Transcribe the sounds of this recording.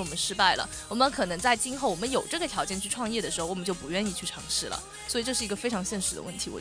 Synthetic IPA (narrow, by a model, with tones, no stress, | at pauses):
wɔ˨˩mə˦nʂɻ̩˥pa˥˩ɪlə̰˩ | wɔ˨˩mə˦nkʰɤ˨˩nɤ˧˥ŋt͡sa˥˩ɪt͡ɕi˥nxo˥˩ʊwɔ˨˩mə˦njo˨˩ʊʈ͡ʂɤ˥˩ɡə˩t̪ʰjɑ˧˥ʊt͡ɕjɛ˥˧nt͡ɕʰy˥˧ʈ͡ʂʰwɑ˥˧ŋjɛ˥˩d̪ə˩ʂɻ̩˧˥xo˥˩ʊwɔ˨˩m˦t͡ɕjo˥˩ʊpu˧˥ɥɛ˥˧ni˥˧t͡ɕʰy˥˩ʈ͡ʂʰɑ˧˥ŋʂɻ̩˥˩lə̰˩ | swɔ˧˥i˨˩ʈ͡ʂɤ˥˧ʂɻ̩˥˩i˧˥ɡə˧fe˥ɪʈ͡ʂʰɑ˧˥ŋɕjɛ˥˩nʂɻ̩˧˥d̪ə̰˧wə˥˩nt̪ʰi˧˥wɔ̰˨˩